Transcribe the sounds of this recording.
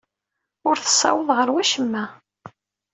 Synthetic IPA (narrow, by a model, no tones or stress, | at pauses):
ʊɾθə̥sˤːɑ̰wəðˤʁəɾwæʃəmːæ